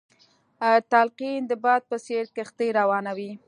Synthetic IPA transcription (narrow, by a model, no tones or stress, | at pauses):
t̪alqind̪əbɑd̪̚pəseɾkɪxt̪əjɾawɑnawi